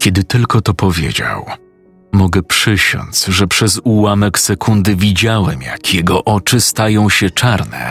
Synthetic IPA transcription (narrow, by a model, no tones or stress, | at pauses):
kʲɛd̪ɘt̪ɘlkɔt̪ɔpɔvʲjḛd͡ʑa̰w | mɔɡɛpʂɘɕɔ̰nzʐɛpʂɛzuwamɛksɛkʰund̪ɘvʲid͡ʑawɛmja̰kʰjɛɡɔʔɔt͡ʂɘst̪ajɔ̃w̃ɕɛt͡ʂaɾnɛ̰